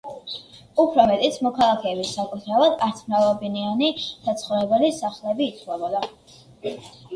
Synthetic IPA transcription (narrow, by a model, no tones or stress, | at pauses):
upʰɾɔmɛt̪ʼit̪sʰmɔkʰalˠakʰɛːbisakʼut̪ʰɾavad̪aɾt̪sʰmɾavlˠɔbinianid̪̥at̪sʰχɔɾɛbɛlisaχlɛbiːt̪sʰwɛbɔd̪a